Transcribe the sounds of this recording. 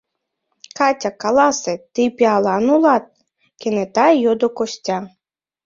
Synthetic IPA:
kɑtʲakɑlˠɑset̪ɨpʲiɑlˠɑnulˠɑt̪̚ | kʲenet̪ɑjod̪okosʲtʲɑ

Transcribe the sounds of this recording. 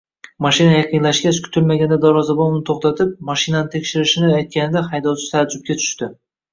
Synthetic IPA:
maʃɪnajɑqʰɨnlaʃkʲaskʲʰʊ̥t̪ʰɪlmaɡʲand̪ad̪ɒɾɒzabomnɪt̪ʰoχt̪at̪ʰɪp̚maʃɪnanɪt̪ʰe̞kʲʃɪɾɪʃɪnɪajt̪̚kʲanɪd̪ahɑjd̪ɒt͡ʃ̪ʰɪ̥t̪ʰad͡ʒʊp̚kʲat͡ʃ̪ʰʊ̥ʃt̪ɪ

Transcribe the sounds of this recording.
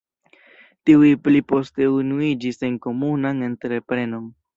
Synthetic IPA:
tiujplipo̞ste̞unuid͡ʒise̞ŋko̞munaŋe̞ntɾe̞pɾe̞no̞ŋ

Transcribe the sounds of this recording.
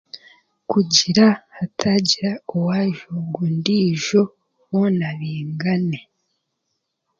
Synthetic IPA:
kuɟiɾahatʰaɟiɾaowaːʒoɡundiːʒo | wonaβiːŋɡane̞

